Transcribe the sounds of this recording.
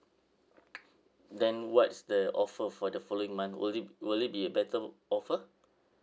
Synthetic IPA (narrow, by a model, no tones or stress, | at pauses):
dɛ̃nwɔtsdəʔɔfəfɔdəfɔloɪ̃ŋmãnθwɪlit̚biəbɛtəɔfə